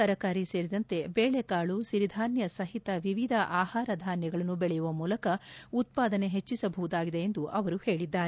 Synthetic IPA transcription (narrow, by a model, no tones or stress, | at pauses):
ɐɾɐkaːɾise̞ːɾid̪ɐnt̪e̞beːɭekaːɭusiɾid̪ʱaːnjɐsɐɦit̪ɐʋiʋid̪ʱɐʔaːhaːɾɐd̪ʱaːnjɐɡɐɭɐnːubɛɭɛjuʋɐmuːlɐkɐut̪̚paːd̪ɐne̞ɦet͡ʃːisɐbʱɐʋud̪aːɡid̪e̞end̪uʔɐʋɐɾuhe̞ːɭid̪ːaːɾe